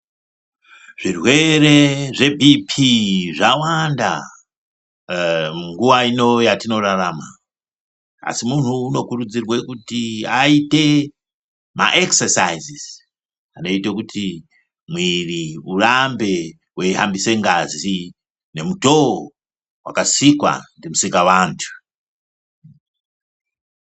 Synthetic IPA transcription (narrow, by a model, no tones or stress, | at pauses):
ʐ̥irwe̞re̞ʐe̞bʱipʰiʐawanda̰ | muŋɡuʋaino̞jatino̞rarama̰ | a̰simun̤uːno̞kuɾud͡zirwekutiaite | ma̰ʔeksesa̰iziz̥ | ano̞itekutʰi | mwiriurambe̞ | wʔeiɦambise̞ŋɡazi | ne̞muto | wa̰kasikwa̰ndimusikaʋantʰu̥